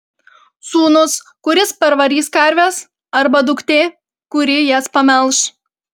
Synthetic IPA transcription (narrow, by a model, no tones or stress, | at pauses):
suːnʊskʊɾʲɪspʲɐɾʋɐɾʲiːskɐɾʲʋʲɛs | ɐɾbɐd̪ʊkt̪ʲeː | kʊɾʲɪjɛspɐmʲɛlˠʃ